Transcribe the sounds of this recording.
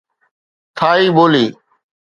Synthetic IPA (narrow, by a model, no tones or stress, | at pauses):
t̪ʰaːiːɓoːliː